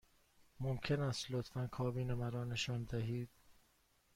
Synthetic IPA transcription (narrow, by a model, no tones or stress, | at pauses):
momcʰe̞næst̪lot̪fænkʰɒːbiːnemæɾɒːneʃɒːnd̪æɦiːd̪̥